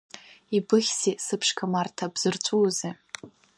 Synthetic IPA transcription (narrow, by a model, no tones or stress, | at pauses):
ibɨχʲsisɨpʰʂkʰamartʰabz̥ɨrt͡ɕʷʼuːzi